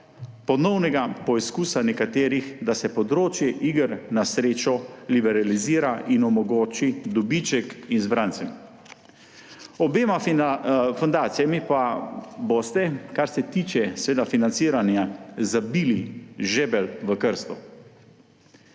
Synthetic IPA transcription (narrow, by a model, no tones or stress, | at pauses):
pɔnɔwnɛɡapɔiskuːsanɛkat̪eːɾixd̪asɛpɔd̪ɾoːt͡ʃjɛʔiɡəɾnasɾeːt͡ʃɔlibɛɾaliziːɾaʔinɔmɔɡoːt͡ʃid̪ɔbit͡ʃɛkinzbɾant̪sɛm | ɔbeːma | fɔnd̪aːt̪sijamipaboːst̪ɛkaɾsɛt̪iːt͡ʃɛsʋeːd̪afinant̪siːɾanjazabiːliʒɛːbɛlʋəkəɾst̪ɔ